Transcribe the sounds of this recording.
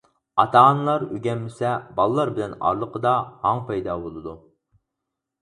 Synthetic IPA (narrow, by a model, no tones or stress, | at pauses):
ɑt̪ʰɑɑnlˠɑɾøɡʲɛmːɪsɛbɑlˠəlˠɑɾbɪlɛnɑ̰ɾlˠəqʰəd̪ɑhɑŋpʰɑjd̪ɑbolˠɨd̪u